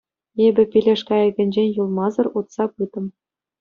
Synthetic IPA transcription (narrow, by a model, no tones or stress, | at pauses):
ebʲɘ̆pʲilʲeʂkɑɘ̆ɡʲɘ̆nʲd͡ʑenʲjulˠmɑzɤ̆rut̪sɑpɯt̪ɤ̆m